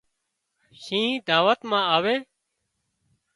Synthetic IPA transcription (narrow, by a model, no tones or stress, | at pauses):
ʃĩːd̪aːʋət̪mãːaːʋeː